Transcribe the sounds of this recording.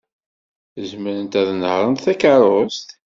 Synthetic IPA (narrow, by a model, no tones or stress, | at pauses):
əzməɾənt̪æðənhəʁənt̪θækəɾˤost̪